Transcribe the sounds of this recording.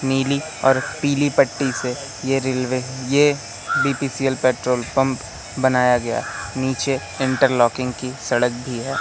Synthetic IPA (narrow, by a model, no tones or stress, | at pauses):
niːli | ɔ̰ːɾpiːlipəʈːise | jeɾɪlʋeje | biːpiːsiːəlpeːʈɾoːlpɐ̃mp | bɐnaːjaɡɐja̰niːt͡ʃe | ɪ̃ɳʈəɾlɔːkɪ̃ŋɡkisɐɽək̚bʱiɦɛː